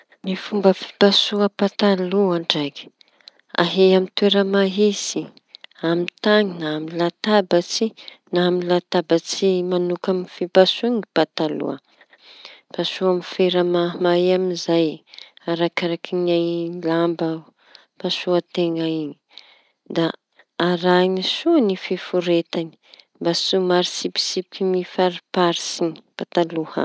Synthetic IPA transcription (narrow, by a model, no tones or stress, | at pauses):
nifumbəfi̥pasuəpat̪aluaɳɖ͡ʐaki̥ | a̰ɦeamint̪ueɾəmaɦisi | amit̪aŋinaːmilat̪abət͡si | namilat̪abət͡simanukamnifipasuŋipat̪alṵə | pasuamifeɾamamajamizajaɾakaɾakʰinalambə | pasuət̪eŋaiɲi | d̪aː | ɾanisuanififuɾet̪ani̥ | mbasumaɾisipi̥sipkimifaɾipaɾisinib̥at̪aluhə̰